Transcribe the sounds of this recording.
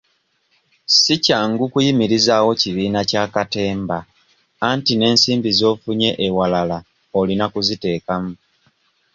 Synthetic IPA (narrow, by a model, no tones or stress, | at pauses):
sicaŋɡukujimiɾizaːwo̞ciβiːnacaːkate̞ːmbaː | ntine̞ːnsiːmbizo̞ːfuɲe̞ʔewalala | olinakuzite̞ːkamu